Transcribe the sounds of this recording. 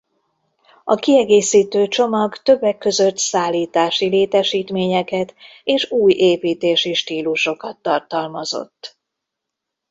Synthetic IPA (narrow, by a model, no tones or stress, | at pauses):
ɒkiɛɡeːsiːt̪øːt͡ʃo̞mɒɡt̪ø̞bːɛkːø̞zøt̪saːlːiːt̪aːʃileːt̪ɛʃiːt̪meːɲɛkɛt̪ | eːʃuːjʔeːpiːt̪eːʃiʃt̪iːluʃo̞kɒt̪ːɒrt̪ɒlmɒzo̞̰t̪ː